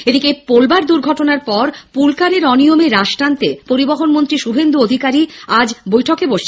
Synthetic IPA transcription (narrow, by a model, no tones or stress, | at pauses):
ed̪ikepolbaɾd̪uɾɡʱɔʈonaɾpɔɾpulkaɾeɾɔnijomeɾaʃʈant̪epoɾiboɦonmont̪ɾiʃubʱend̪uod̪ʱikaɾiad͡ʑbojʈʰokeboʃt͡ɕʰe